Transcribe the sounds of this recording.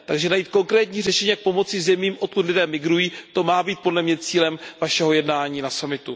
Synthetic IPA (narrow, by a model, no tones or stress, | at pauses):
t̪aɡʒɛnajiːt̪̚ko̞ŋkɾɛːt̪ɲiːr̝ɛʃɛɲiːak̚po̞mo̞t͡sɪzɛmiːmʔot̪̚kut̪lɪdɛːmɪɡɾujiːt̪o̞maːbiːt̪̚po̞dlɛmɲɛt͡siːlɛmvaʃɛɦo̞jɛdnaːɲiːnasamɪt̪u